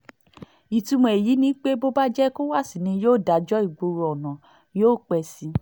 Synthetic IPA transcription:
i˨tu˧mɔ̃˧e˨ji˨˦nĩ˦k͡pe˦bo˦ba˦d͡ʒɛ˦ko˦wa˦˨si˨nĩ˧joː˦˨da˨d͡ʒɔ˦i˨ɡ͡bo˧ɾo˧ɔ˨nã˨ | joː˦˨k͡pɛ˧si˧

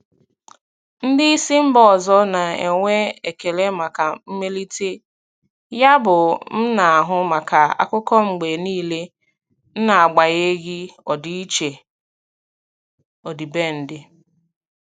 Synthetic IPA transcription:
n̩˦dɪ˦i˦si˦m̩˦bɔ˨zɔ˦na˨e˨ŋʷe˦e˨ke˨le˦ma˨ka˨m̩˦me˦li˦te˦ | ja˦bʊ˨m̩˦na˨a˨ɦʊ˦ma˨ka˨a̰˦kʊ˦kɔ˦ŋ͡m̩˨ɡ͡be˨niː˦˨le˦ | n̩˦na˨a˨ɡ͡ba˨ɣe˦ɡɪ˦ɔ˨di˦i˦t͡ʃe˨ | o˨di˨be˦˨n̩˦dɪ˦

